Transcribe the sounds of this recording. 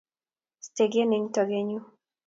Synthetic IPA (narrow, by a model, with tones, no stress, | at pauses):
ste˨ɡe˦nɪ˨˦ŋtɔ˨ɡe˦ɲu˦